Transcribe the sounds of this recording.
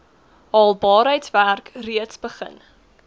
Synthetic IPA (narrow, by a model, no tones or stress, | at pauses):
ɑlˠbɑːɾəjtsværkriətsbəχə̰n